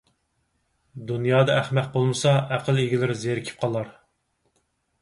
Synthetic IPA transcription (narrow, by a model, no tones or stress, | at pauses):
d̪unjɑːd̪ɑæχmæq̚bolˠmɨsɑæqʰəlˠeɡʲilɪɾzeɾkʲʰi̥p̚qʰɑlˠɑɾ